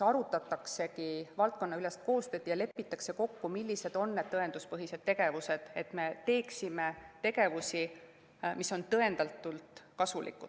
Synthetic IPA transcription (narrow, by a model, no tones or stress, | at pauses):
ɑɾut̪ːˑɑt̪ːˑɑkse̞kivɑlt̪̚ko̞nːɑyle̞st̪̚ko̞ːst̪ø̞ːd̪ijɑle̞pːit̪ːˑɑkse̞ko̞kːumilʲːise̞d̪̥o̞nːe̞d̪̥̚t̪ɤe̞nd̪uspɤɦise̞d̪̥̚t̪ːe̞ɡe̞vuse̞d̪̥e̞t̪me̞t̪e̞ːksime̞t̪e̞ɡe̞vusi | miso̞nt̪ɤe̞nd̪̥ɑlt̪ːˑult̪ˑkɑsulḭkːˑud̪